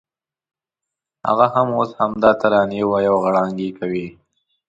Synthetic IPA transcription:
ha̰ɣahamoshamd̪ɑt̪aɾɑnewajawɣaɽɑŋɡikawi

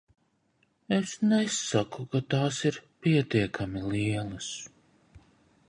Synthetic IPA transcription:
esnɛsːakukat̪aːsiɾpiɛt̪iɛkʰamiliɛlˠɐs

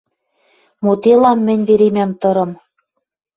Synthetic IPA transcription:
mot̪elɑmːɘ̆nʲβeɾemæmt̪ɤ̆ɾɤ̆m

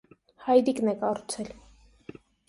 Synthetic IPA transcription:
hɑjd̪iknɛkɑɾut͡sʰɛl

